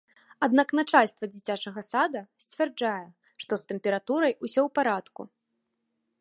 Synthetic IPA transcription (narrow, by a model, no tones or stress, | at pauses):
ad̪naknat͡ʂalʲst̪vɐd͡zʲit͡sʲat͡ʂɐɣɐsad̪ɐsʲt͡sʲvʲɛrd͡ʐajɛ | ʂt̪ɔst̪ɛmpʲɛɾat̪uɾɐjusʲɔwpaɾat̪kṵ